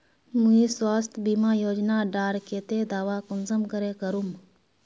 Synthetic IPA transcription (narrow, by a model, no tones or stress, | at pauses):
mũiswaːst̪ʰbiːmaːjoːd͡ʒnaɖaːɾkeːt̪ed̪aːʋakʊnzəmkəɾekəɾum